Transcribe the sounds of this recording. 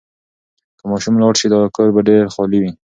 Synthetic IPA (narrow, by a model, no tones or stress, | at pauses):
kəmɑʃumlɑɽʃid̪ɑkɑɾbaɖeɾxɑliwi